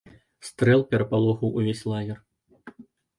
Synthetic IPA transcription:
st̪ɾɛlˠpʲɛɾɐpalˠɔxɐwʔuvʲesʲlˠaɣʲɛr

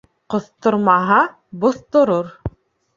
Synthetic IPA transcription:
qŏθt̪ŏɾmɑɦɑ | bŏθt̪ŏɾoɾ

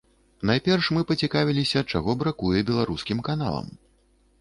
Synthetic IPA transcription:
najpʲɛrʂmɨpɐt͡sʲikavʲilʲisʲɐt͡ʂaɣɔbɾakujɛbʲɛlˠaɾuskʲimkana̰lˠɐ̰m

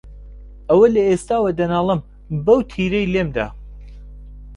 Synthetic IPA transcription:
ɐwɐlɐest̪aːwɐd̪ɐnaːlˠɨm | bɐwt̪ʰiːɾejlemd̪a̰

